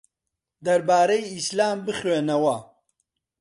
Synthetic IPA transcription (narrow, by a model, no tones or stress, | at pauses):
d̪ɐɾbaːɾɐjislaːmbɨχweːnɐwɐ